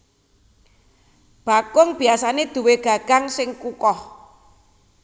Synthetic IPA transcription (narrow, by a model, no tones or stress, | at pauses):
b̥a̤kʊŋb̥i̤asaned̪̥ṳweɡ̥a̤ɡ̥aŋsɪŋkukɔh